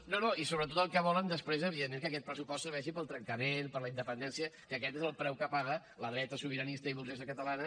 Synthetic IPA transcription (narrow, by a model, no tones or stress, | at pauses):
nonoisoβɾət̪ot̪əlˠkəβ̞ɔlənd̪əspɾezəβienekəkɛt̪̚pɾəsupɔst̪səɾβ̞ɛʃipəlˠt̪ɾəŋkəmenpəɾləind̪əpənd̪ɛnsiəkəkɛt̪ezəlˠpɾɛwkəpaɣə | ləðɾɛt̪əsuβ̞iɾənist̪əiβulzesəkət̪əlanə